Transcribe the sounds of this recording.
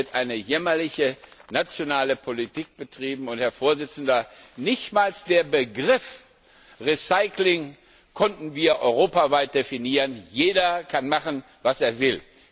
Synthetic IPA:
ɐtʔaɪnəjɛmɐlɪçənat͡sjonaːləpʰolitʰiːk̚b̥ətʁ̥iːbm̩ʊnthɛɐfoːɐzɪt͡sn̩dɐnɪçtmaːlsd̥eːɐbəɡʁɪf | ʁisaɪklɪŋ | kʰɔntn̩viːɐʔɔʏʁoːpavaɪt̚d̥efiniːʁənjeːdɐkʰanmaχən̩ | vaseːɐvɪl

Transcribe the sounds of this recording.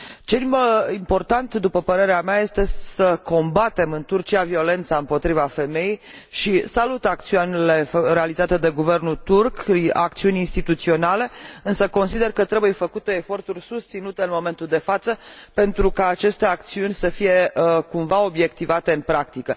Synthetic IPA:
t͡ʃe̞impo̞rt̪ant̪d̪upəpəɾe̞ɾeameaje̞st̪e̞səko̞mbat̪e̞mɨnt̪urt͡ʃiavio̞le̞nt̪saɨmpo̞t̪ɾivafe̞me̞jej | ʃisalut̪ak̚t̪sianile̞re̞alizat̪e̞d̪e̞ɡuve̞rnut̪urka̰k̚t̪siunʲinst̪it̪ut̪sio̞nale̞ɨnsəko̞nsid̪e̞rkət̪ɾe̞buje̞fəkut̪e̞ːfo̞rt̪urʲsust̪sinut̪e̞ɨnmo̞me̞nt̪uld̪e̞fat̪səpe̞nt̪ɾukaːt͡ʃe̞st̪e̞ak̚t̪siunʲsəfije̞kumvao̞bje̞k̚t̪ivat̪e̞ɨnpɾakt̪ikə

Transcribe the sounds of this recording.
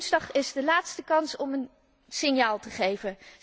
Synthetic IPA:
nzdɑχɪzdəlaːtstəkɑnsɔmən | sɪnjaːlˠtəχejvə

